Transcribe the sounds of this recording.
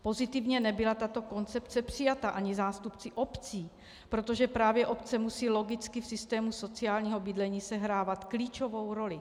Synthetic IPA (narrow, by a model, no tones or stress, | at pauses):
po̞zɪt̪ɪvɲɛnɛbɪlat̪at̪o̞ko̞nt͡sɛpt͡sɛpr̥ɪjat̪aʔaɲɪzaːst̪upt͡sɪʔo̞pt͡siː | pɾot̪o̞ʒɛpɾaːvjɛʔo̞p̚t͡sɛmusiːlo̞ɡɪt͡skɪfsɪst̪ɛːmuso̞t͡sɪjaːlɲiːɦo̞bɪdlɛɲiːsɛɦɾaːvat̪kliːt͡ʃo̞vo̞wɾo̞lɪ